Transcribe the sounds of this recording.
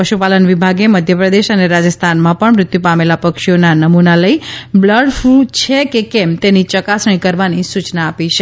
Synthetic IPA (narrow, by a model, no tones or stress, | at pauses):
pəʃupalənʋibʱaɡeməd̪ʱjəpɾəd̪eʃəneɾad͡ʒəst̪ʰanmãpəɳmɾʊt̪jupamelapəkʃionanəmunaləibləɽfut͡ʃʰekekɛmt̪enit͡ʃəkasəɳ̃ĩkəɾʋanisut͡ʃnaːpit͡ʃʰe